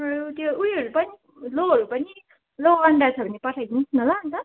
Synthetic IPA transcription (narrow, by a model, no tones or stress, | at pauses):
t̪joujɦʌɾupʌni | loɦʌɾupʌni | loaɳɖat͡sʰʌbʱʌnipʌʈʰajd̪int͡sʰnʌlaʌnt̪ʌ